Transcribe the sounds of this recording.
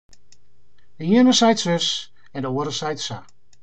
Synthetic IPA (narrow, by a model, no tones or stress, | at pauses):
dəjinəsajtsøs | ɛndəoːəɾəsajtsa